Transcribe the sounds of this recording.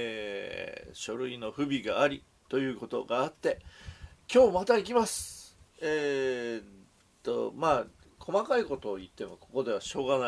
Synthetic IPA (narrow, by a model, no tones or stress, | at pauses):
eː | ɕo̞ɾɯ̟ino̞ɸɯ̟bʲiɡaːɾʲi | t̪o̞jɯ̟ːko̞t̪o̞̰ɡaːt̪ːe̞kʲo̞ːmat̪aik̬ʲimasɨ̥eː | t̪ːo̞̰maː | kʰo̞makaiko̞t̪o̞ːit̪ːe̞mo̞ko̞ko̞d̪e̞β̞aɕo̞ːɡana